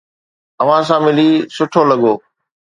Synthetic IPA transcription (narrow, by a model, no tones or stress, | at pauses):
əʋ̤ãsãːmɪliːsʊʈʰoːləɠoː